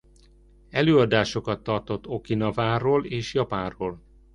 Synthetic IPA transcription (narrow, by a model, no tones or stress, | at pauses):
ɛløːɒd̪aːʃo̞kɒt̪ːɒrt̪o̞t̪ːo̞kinɒvaːroːleːʃjɒpaːroːl